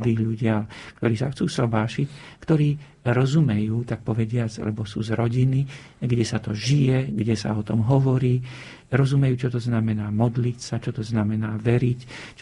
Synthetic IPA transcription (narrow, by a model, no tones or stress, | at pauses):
d̪iːɣʎuɟɪakt̪ɔɾiːsaxt͡suːsɔbaːʃickt̪ɔɾiː | ɾɔzumɛjuːt̪ak̚pɔʋɛɟɪat͡sa̰lɛ̰bɔsuːzɾɔɟiniɡɟɛsat̪ɔʒijɛɡɟɛsa̰ɔt̪ɔmɦɔʋɔɾiː | ɾɔzumɛjuːt͡ʃɔt̪ɔznamɛnaːmɔd̪licsat͡ʃɔt̪ɔznamɛnaːʋɛɾict͡ʃ